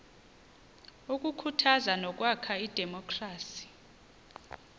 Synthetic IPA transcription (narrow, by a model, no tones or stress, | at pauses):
uk̬ʼukʰutʰazanɔk̬ʼwakʰaid̥ʱɛmɔkʰʼraːsi̥